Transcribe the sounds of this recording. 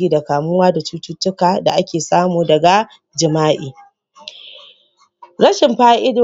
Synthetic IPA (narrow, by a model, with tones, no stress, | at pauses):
iː˦da˨kaː˨mʊ˦waː˦da˨tuː˦tuː˦tːʊ˦kaː˨da̰˨ʔa˦kʲeː˨saː˦muː˨dɐ˨ɡa˨ | d͡ʒɪ˨maː˦ʔḭː˨ | ɾɐ˦ʃɪ˨mɸaː˦ʔɪ˦doː˨